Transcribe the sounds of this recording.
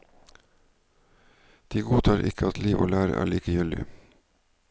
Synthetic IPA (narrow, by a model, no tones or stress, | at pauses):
d̪̥iːɡuːt̪ʰɑːɾʔɪ̰kəɑt̪ʰliːʋʔo̰ːlæːɾə̰ʔæ̰ːɭiːkəjʏlɪ̰